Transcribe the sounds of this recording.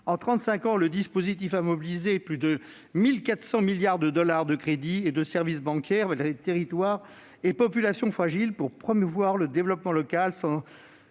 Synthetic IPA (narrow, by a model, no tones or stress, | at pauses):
ɑ̃t̪χɑ̃t̪sɛ̃kɑ̃ləd̪ispozit̪̬ifamɔbilizeplyd̪ə | milkat̪χsɑ̃miljaʁd̪əd̪ɔlaʁd̪əkχed̪ied̪əsɛʁvisbɑ̃kʲʰɛʁvad̪iʁet̪eʁit̪waːʁ | ɛpɔpylasjɔ̃fχaʒilpuʁpχɔmuvwaʁləd̪evlɔpmɑ̃lɔkalsɑ̃